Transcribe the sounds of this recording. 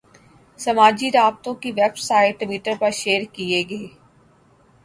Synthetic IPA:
sɐmaːd͡ʒiɾaːb̚t̪õkiʋɛbsaːɪʈːʋiːʈəɾpɐɾʃeːɾkieɡəeː

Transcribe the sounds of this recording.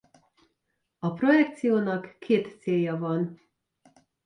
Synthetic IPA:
ɒpro̞jɛk̚t̪sijoːnɒkːeːt̪seːjːɒvɒn

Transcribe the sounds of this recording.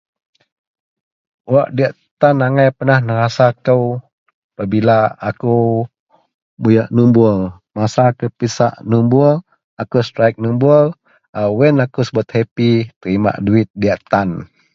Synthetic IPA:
waʔdiaʔt̪anaŋajpənahnəɾasakəw | pabilaːkuw | bujaʔnumbʊl | masakəpisa̰ʔnumbul | akəst̪ɾajk̚numbʊl | awɛnakəsəbət̪̚hɛpit̪əɾima̰ʔduɪt̪̚diaʔt̪an

